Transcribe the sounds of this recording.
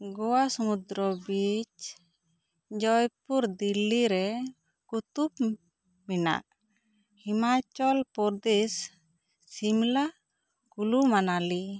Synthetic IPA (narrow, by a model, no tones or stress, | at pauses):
ɡɔwasɔmud̪ɾɔbit͡ʃ | d͡ʒɔjpuɾd̪ilːiɾɛ | kut̪up | mina̰ʔ | himat͡ʃɔlpɔɾd̪esː | imla | kulumanali